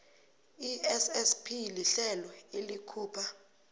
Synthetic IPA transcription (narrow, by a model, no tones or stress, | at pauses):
iɛsɛspʰiliɬɛlɔelikʰuːpʰa